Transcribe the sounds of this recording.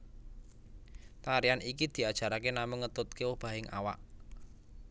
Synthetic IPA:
t̪aɾianikid̪̥i̤ad̥ʒ̥a̤ɾakenamʊŋːət̪ʊt̪̚kewʊhb̥a̤ɦɪŋʔa̰wa̰ʔ

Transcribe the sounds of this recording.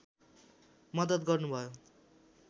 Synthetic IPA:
mʌd̪ʌd̪ɡʌrnubʱʌjo

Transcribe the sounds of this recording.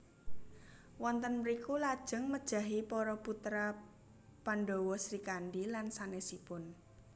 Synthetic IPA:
wɔnt̪ənməɾikulad̥ʒ̥ə̤ŋməd̥ʒ̥a̤ɦipɔɾɔput̪ɾa | panɖowɔsɾikanɖilansanesipʊn

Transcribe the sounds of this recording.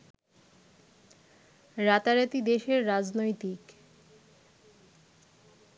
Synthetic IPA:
ɾat̪aɾat̪id̪eʃeɾːad͡ʑnojt̪ik

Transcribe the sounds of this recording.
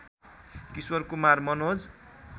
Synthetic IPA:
kiswʌrkumarmʌnod͡z

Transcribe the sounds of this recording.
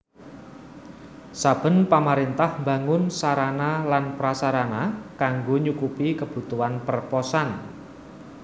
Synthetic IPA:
sab̥ə̤npamaɾint̪ahmbaŋʊnsaɾanalanpɾasaɾanakaŋɡoɲukupikəb̥ṳt̪uanpərpɔsan

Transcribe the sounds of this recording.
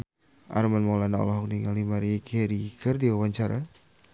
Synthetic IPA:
ʔa̰ɾmanmalanaɔ̰lɔɦɔk̚niŋalimaɾikʰeɾikərdiwawaɲt͡ʃaɾa̰

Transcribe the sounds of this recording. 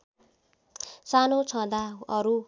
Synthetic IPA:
sanot͡sʰʌ̃d̪aʌɾu

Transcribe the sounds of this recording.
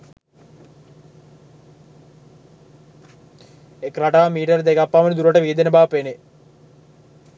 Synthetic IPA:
ekrɐʈaːmiːʈɐɾd̪ekapːaːmɐnd̪uɾɐʈːɐʋiːd̪ɐnɐbaːpene

